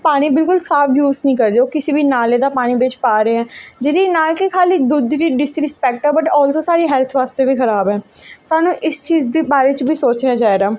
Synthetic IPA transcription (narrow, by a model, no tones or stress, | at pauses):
paːɽ̃iːbɪlkʊlsaːfjuːznəĩːkəɾd̪eːoːkɪsiːbiːnaːleːd̪aːpaːɽ̃iːbeːt͡ʃpaːɾəeːɦɛ̃ːd͡ʒeːɾiːnaːkɪkʰaːliːd̪ud̪ɾiːɖɪsɾɪspɛːk̚ʈɛːbəʈɔːlsõːsaːɾiːɦɛːlt̪ʰʋaːst̪eːbiːkəɾaːbɦɛːsaːnũːʔɪst͡ʃiːzd̪eːbaːɾeːt͡ʃbʱiːsoːt͡ʃnaːd͡ʒaːeːɡaː